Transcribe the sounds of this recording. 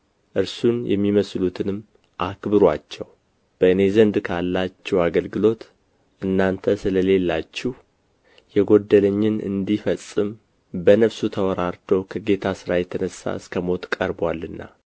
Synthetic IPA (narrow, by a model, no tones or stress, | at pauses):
ʔɨɾsunjʔɛ̰mːiməslut̪ʰɨnɨmː | ʔakbɨɾwat͡ʃːɛw | b̥əɨne̞zənd̪kʰalːat͡ʃːɛwaɡəlɡɨlo̞t̪ | ʔɨnːant̪ʰəsɨləle̞lːat͡ʃːɪh | jɛɡo̞d̪ːələɲːɪnɨ̰nd̪ifəsʼːɨm | bənəβsut̪ʰəwɔɾaɾt̪ʰo̞kʰəɡe̞t̪ʰasɨɾajɛt̪ʰənəsːa̰ɨskʰəmo̞t̪kʼəɾbwalːɨnːa̰